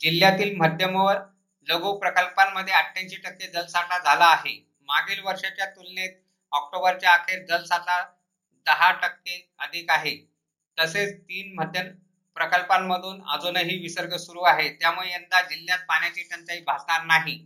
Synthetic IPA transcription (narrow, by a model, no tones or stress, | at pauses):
d͡ʑiljat̪iːlməd̪ʱjəməʋəɾ | ləɡuːpɾəkəlpamːəd̪ʱːjeəʈʰːãɲɕiːʈəkːed͡zəlsaʈad͡zʱalaːɦe | maɡiːlʋəɾʂat͡ɕjat̪ulnet̪̚ | ɔk̚ʈobəɾt͡ɕjaːkʰeɾd͡zəlsat̪a | d̪əɦaʈəkːe | əd̪ʱiːkaɦe | t̪əset͡st̪iːnm̤əd̪ʱjən | pɾəkəlpamːəd̪ʱuːna̰d͡zonəɦiːʋisəɾɡʱəsuɾuːaɦet̪jamuɭeənd̪ad͡ʑiljat̪̚paɳjat͡ɕiːʈʰənt̪əiːbʱasɳaɾnaɦi